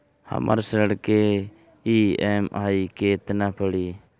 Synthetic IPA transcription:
hə̰mʔa̰ɾsəɽke | iːɛmaːikeːt̪napʰəɽiː

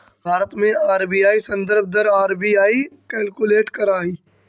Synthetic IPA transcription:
bʱaːɾət̪mẽaːɾbiːjaːisɐ̃nd̪əɾb̚ʱd̪əɾaːɾbiːaːikɛːlkʊleːʈkɐɾaːɦiː

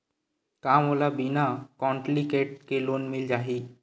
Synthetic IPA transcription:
kamolabinakɔɳʈlikeʈ̚kelonmild͡ʒaɦi

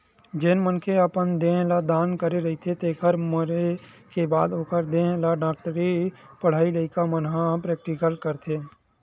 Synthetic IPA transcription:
d͡ʒeːnmənkʰeəpənd̪ẽːlad̪aːnkəɾeɾɐɦit̪ʰet̪eːkʰəɾməɾe | kebaːd̪oːkəɾd̪ẽːlaɖaːk̚ʈəɾipəɽ̤aːiləɪkamənɦãpɾɛːk̚ʈɪkəlkəɾt̪ʰeː

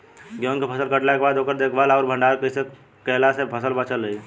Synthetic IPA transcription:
ɡjoːnkepʰəsəlkəʈlakebaːd̪oːkəɾd̪eːkʰbalɔːɾbʱə̃ɳɖaːɾkəise | kɛɦlasepʰəsəlbət͡ʃəlɾəi

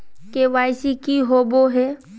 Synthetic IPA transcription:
keʋaːɪsikiɦoːboɦɛ

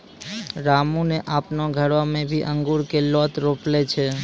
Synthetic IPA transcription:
ɾamuneʔapnoɡʱəɽʋamẽbʱiʔəŋɡuɽkelɔt̪ɾoplet͡ʃʰe

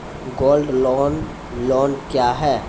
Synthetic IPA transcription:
ɡoːlɖlɔːn | lɔːnkjaːɦɛː

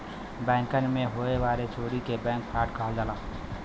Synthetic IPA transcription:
bɛ̃ːŋkənmẽɦoːeʋaːɾet͡ʃoːɾikebɛ̃ːŋk̚pʰaːʈkʰaːld̪alaː

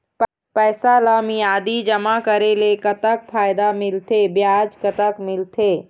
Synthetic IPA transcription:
p | pɛːsalaːmiaːd̪id͡ʒəmakəɾelekət̪ək̚pʰaːjd̪amɪlt̪ebjaːd͡ʒkət̪əkmɪlt̪ʰeː

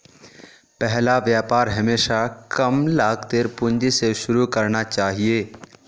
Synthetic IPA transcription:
pɛɦlaʋjaːpaːɾɦɐmeːʃakɐmlaːɡt̪eɾpʊ̃ɲd͡ʒiseʃʊɾukɐɾnat͡ʃaːɦieː

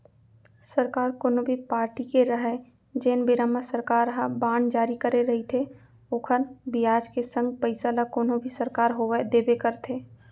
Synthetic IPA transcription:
səɾkaːɾkoːnobʱipaːɾʈikeɾəɦə | d͡ʒeːnbɪɾəmːəsəɾkaːɾɦabaːɳd͡ʒaːɾikəɾeɾɐɦit̪ʰe | ʊkʰənbijaːd͡ʒkesə̃ŋɡ̚pəɪsalakoːnobʱisəɾkaːɾɦoːʋed̪eːbekəɾt̪ʰeː

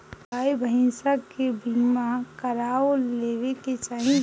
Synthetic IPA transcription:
aːjbʱəɦɪ̃nsakebiːmakəɾaːoleːʋeket͡ʃaːɦĩ

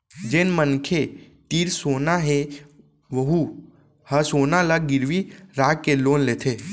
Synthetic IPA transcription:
d͡ʒeːnmənkʰe | t̪iːɾsoːnaɦe | ʋəɦu | həsoːnalaɡɪɾʋiɾaːkːeloːnleːt̪ʰe

